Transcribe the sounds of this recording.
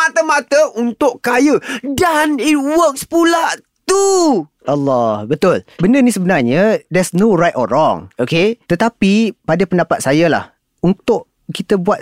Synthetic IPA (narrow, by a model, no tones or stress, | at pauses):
mat̪əmat̪əʔunt̪ʊʔkajədanit̚wəkspula | t̪u | ʔalːɔhbət̪ʊlbəndənisəbənarɲəd̪ɛsnorajtɔrɔŋoket̪ət̪apipadapəndapat̪̚sajala̰h | unt̪ʊʔ | kit̪əbuat̪̚